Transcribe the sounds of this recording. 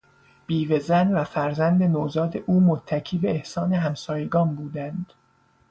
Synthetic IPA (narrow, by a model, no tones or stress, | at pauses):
b̥iːvezænvæfæɾzænd̪enoːzɒːd̪eʔuːmot̪ʰːæcʰiːbe̞ːhsɒːne̞ɦæmsɒːjeɡɒːnbuːd̪ænd̪̥